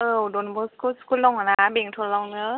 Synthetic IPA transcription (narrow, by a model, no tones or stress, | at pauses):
ʔɯdonbɔskʰusu̥kulːɔwŋanabeŋtʰollɔwnɯ